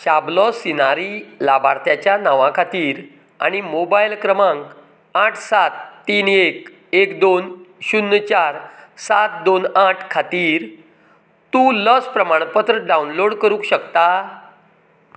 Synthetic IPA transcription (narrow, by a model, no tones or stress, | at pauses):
ɕablɔsinaɾilabʱaɾt̪ʰjat͡ɕjanaʋãkʰat̪iːɾ | a̰ɽ̃imobajlkɾəmãŋk | aʈʰsat̪ːiːnek | ekd̪onɕunːət͡ɕaɾsat̪̚d̪onaʈʰkʰat̪iːɾ | t̪ũːləspɾəmaɳ̃pət̪ɾəɖaunloɽkəɾũkɕəkt̪a